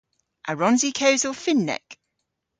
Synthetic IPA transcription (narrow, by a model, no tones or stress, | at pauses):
ʔəɹɒ̃nzikʰəʊzəlˠfɪ̃nːɛ̰k